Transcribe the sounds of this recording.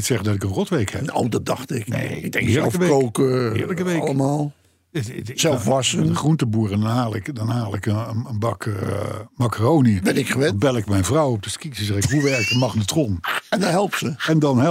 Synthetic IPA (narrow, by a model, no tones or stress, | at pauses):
tsɛχədɑtɪkənrɔtʋejkhɛ̰nowdɑt̚dɑχtɪknḛdɛŋɪːɹlɛlˠkəʋowkɪ̰ːɹləkəʋejləmaːlˠ | sɛlˠfʋɑsənəχruntəbuːrəndnɦaːlˠɪkdɑnɦaːlˠɪkəəənbɑk | makərowniəbɛnɪkəʋɛnbɛlˠɪkmɛjnvrɑwɔp̚dəskisəsəɪkɦuʋɛɹk̚dəmɑχndətrɔnɛndɔtɦɛlˠp̚səɛndɑnɦɛ